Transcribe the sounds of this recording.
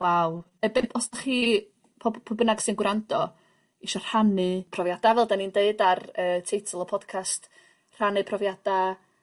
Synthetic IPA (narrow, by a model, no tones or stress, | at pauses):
waw | ɛbɪnʰɔsdaχiː | pʰɔbpʰɔbənaɡsɪnɡwɾandɔ | iʃɔr̥hanɨpʰrɔvjad̥avɛlˠdanindeɨdarəːtʰejtʰəlˠɔpʰɔd̥kʰast | r̥anɨpʰrɔvjad̥a